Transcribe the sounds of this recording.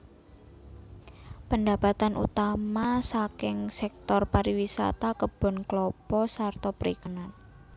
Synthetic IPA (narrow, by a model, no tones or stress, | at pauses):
pənd̪abat̪anṵt̪amasakɪŋsɛk̚t̪ɔrpaɾiwisa̰t̪akəb̥ɔ̤nklɔpɔsart̪ɔpəɾikənan